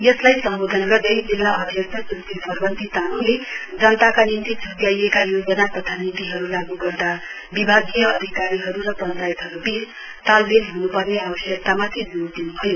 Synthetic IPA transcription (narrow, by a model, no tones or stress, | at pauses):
jʌslajsʌmbod̪ʱʌnɡʌrd̪ʌjd͡zilːaʔʌb̪ʱjʌk̚t̪ʰʌsut̪ipʌrbʌnt̪it̪anuled͡zʌnʌt̪akanint̪it͡sʰuɡjajekajod͡zʌnapʌt̪ʰanint̪iɦʌɾulaɡuɡʌrd̪a | bibʱaɡijʌʌd̪ʱikaɾiɦʌɾuɾʌpʌnt͡sajit̪ɦʌɾubis | t̪albelɦunupʌrneʌbʌsjʌk̚t̪amat̪ʰid͡zuod̪inubʰʱʌjo